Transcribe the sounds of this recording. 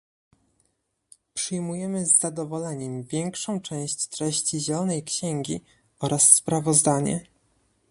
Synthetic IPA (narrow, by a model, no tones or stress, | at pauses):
pʂɘjmujɛmɘzːad̪ɔvɔlɛɲɛmvʲjɛŋkʂɔ̃w̃t͡ʂɛ̃w̃ɕt͡ɕt̪ɾɛɕt͡ɕiʑɛlɔnɛjkɕɛŋɡʲi | ɔɾasːpɾavɔzd̪aɲɛ̰